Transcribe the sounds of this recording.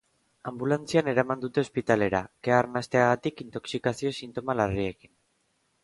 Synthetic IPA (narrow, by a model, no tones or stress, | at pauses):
ambulant͡siane̞ɾamand̪ut̪e̞o̞spit̪ale̞ɾa̰ke̞aɾnast̪e̞aɣat̪ikint̪o̞ksikasio̞sint̪o̞malarie̞kin